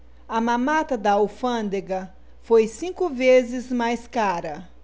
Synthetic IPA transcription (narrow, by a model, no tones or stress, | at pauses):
ɐmãmat̪ɐd̪ɐowfɐ̃d̪eɡɐ | fojsĩkʊvezɪzmajskaɾɐ